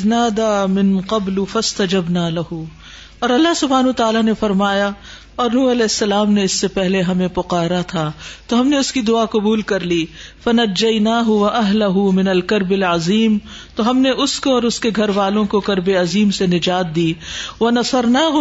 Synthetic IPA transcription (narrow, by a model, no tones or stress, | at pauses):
znaːd̪amɪ̃nqɐblʊfɐst̪ɐd͡ʒɐbnaːlɐhʊ | ɔːɾɐlːaɦsʊbʱaːnʊat̪aːlanefɐɾmaːja | ɔːɾnuːɐlɛːɪsːɐlaːmneɪsːepɛɦleɦɐmẽpʊqaːɾat̪ʰat̪oɦɐmneʊskid̪ʊaːqʊbuːlkɐɾliːfɐnɐd͡ʒːɐjnaːɦʊʋɐʔɐɦlɐɦʊmɪnɐlkɐɾbɪlʕɐziːm | t̪oɦɐmneʔʊskoɔːɾʊskeɡʱɐɾʋaːlõkokɐɾbeɐziːmsenɪd͡ʒaːt̪̚d̪iːʋɐnɐsɐɾnaːɦʊ